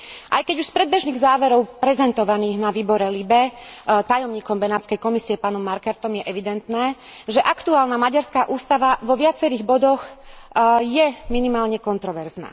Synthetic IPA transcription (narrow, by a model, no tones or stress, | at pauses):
ʔajkɛɟuʃspɾɛd̪bɛʒniːɣzaːʋɛɾɔʊpɾɛzɛnt̪ɔʋaniːɣnaʋiːbɔɾɛlibɛt̪ajɔmɲiːkɔmbɛnaːt̪t͡skɛjkɔmisiɛpaːnɔmːaɾkɛɾt̪ɔmjɛʔɛʋid̪ɛnt̪nɛːʒɛʔakt̪uaːlnamaɟaɾskaːʔuːst̪aʋaʋɔʋɪat͡sɛɾiːɣbɔd̪ɔx | jɛminimaːlɲɛkɔnt̪ɾɔʋɛɾzna̰ː